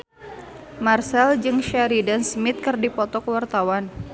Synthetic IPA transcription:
marsɛld͡ʒɨŋʃaɾidansmɪt̪̚kɨrdipɔt̪ɔkəwart̪awan

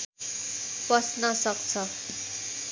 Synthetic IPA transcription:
pʌsnʌsʌk̚t͡sʰʌ

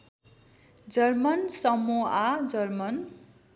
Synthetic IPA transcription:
d͡zʌrmʌnsʌmuad͡zʌrmʌn

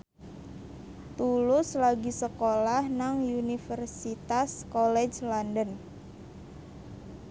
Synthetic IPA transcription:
t̪ulʊslaɡisəkolahnaŋjunifərsit̪askɔlɛd͡ʒlɔndən

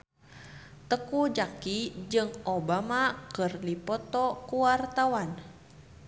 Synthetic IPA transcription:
t̪əkud͡ʒakid͡ʒɨŋobamakərlipɔt̪ɔkuwart̪awan

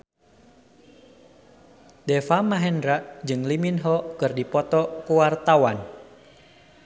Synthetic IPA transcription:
dɛfamaɦɛndɾaʔd͡ʒɨŋliminɦɔkɨrdipɔt̪ɔkuwart̪awan

